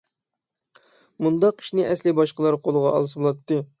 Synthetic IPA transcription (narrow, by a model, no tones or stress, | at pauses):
mund̪ɑqːʰi̥ʃnɪʔɛslɪbɑʃqəlˠɑɾqʰolˠəʁɑɑ̰lˠɨsɨbolˠɑt̪ːɨ